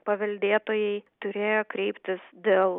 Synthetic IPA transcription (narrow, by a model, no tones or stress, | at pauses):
pɐʋʲɐlʲd̪ʲeːt̪oːjɛɪt̪ʊɾʲeːjoːkɾʲɛɪpʲt̪ʲɪsd̪ʲeːlˠ